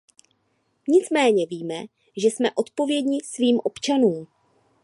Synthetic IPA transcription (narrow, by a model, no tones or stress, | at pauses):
ɲɪt͡smɛːɲɛviːmɛ | ʒɛsmɛʔo̞t̪po̞vjɛdɲɪsviːmʔo̞pt͡ʃanuːm